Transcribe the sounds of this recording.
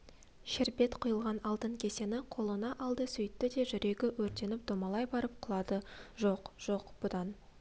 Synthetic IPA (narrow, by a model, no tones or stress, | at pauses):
ʃɪɾbe̞t̪qʰʊjəlˠʁɑnɑlˠt̪əɴkʲʰe̞se̞nɪqʰo̞lˠənɑʔɑlˠd̪əsʏjɪt̪ːɪd̪e̞ʒʏɾʔe̞ɡʲɪwɵɾt̪e̞nɪp̚d̪omɑlˠɑjbɑɾəp̚qʰʊlˠɑd̪əʒo̞qʒ̥o̞qb̥ʊd̪ɑn